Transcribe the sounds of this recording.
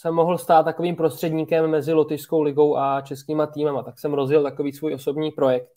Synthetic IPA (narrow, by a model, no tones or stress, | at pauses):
sɛmːo̞ɦl̩st̪aːt̪tːako̞viːmpɾo̞st̪r̥ɛdɲiːkɛmːɛzɪlo̞t̪ɪʃsko̞wlɪɡo̞wʔat͡ʃɛskiːmat̪iːmamat̪aksɛmɾo̞zjɪlt̪ako̞viːsvuːjʔo̞so̞bɲiːpɾo̞jɛk̚t̪